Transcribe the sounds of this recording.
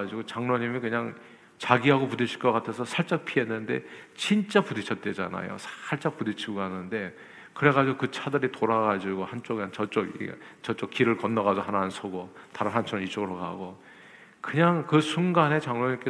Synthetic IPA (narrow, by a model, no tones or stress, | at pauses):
d͡ʑiɡot͡ɕaŋnoɲimikɯɲaŋ | t͡ɕaɡiɦaɡopudɯɕʰi̥ɭk͈ʌk͈atʰe̞sʰʌsʰaɭt͡ɕ͈ak̚pʰiɦenːɯnde̞̰t͡ɕint͡ɕ͈apudit͡ɕʰʌt̚t͈e̞d͡ʑa̰na̰jo̰sʰaɭt͡ɕ͈ak̚pudit͡ɕʰiɡoɦanɯnde̞ | kɯɾe̞ɣad͡ʑiɡokɯt͡ɕʰadɯɾitoɾaɣad͡ʑiɡohant͡ɕ͈oɡant͡ɕʌt͡ɕ͈oɡḭt͡ɕʌt͡ɕ͈ok͈ːiɾɯɭkʌnːʌɣad͡ʑoɦananɯnsʰoɡotaɾɯnɦant͡ɕ͈ʰoŋit͡ɕ͈oɡɯɾoka̰ɡo | kɯɲaŋkɯsʰuŋɡane̞t͡ɕaŋnoɲimk͈e